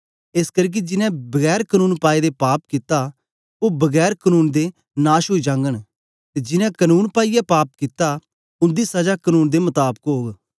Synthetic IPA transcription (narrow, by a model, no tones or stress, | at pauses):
eskəɾk̬id͡ʒɪnɛ̃bɐɡɛːɾkənuːnpaːid̪epaːp̚kɪt̪a | obɐɡɛːɾkənuːnd̪e | naːʃɦoːid͡ʒãːŋɡəɽ̃ | t̪ed͡ʒɪnɛ̃kənuːnpaːijapaːp̚kɪt̪a | ʊ̃nd̪isɐd͡ʒakənuːnd̪emɐt̪aːbəkɦoːɡ